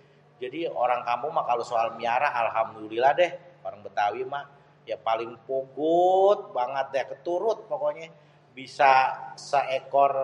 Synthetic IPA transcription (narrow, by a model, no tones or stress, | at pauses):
d͡ʒadioɾaŋkampʊŋmakalosoalmiaɾaalɦamdulilahdɛhpalɪŋbət̪awima | japalɪŋpoɡʊt̪̚baŋət̪̚dɛkət̪uɾʊt̪̚pokoɲɛ | bisasəekɔr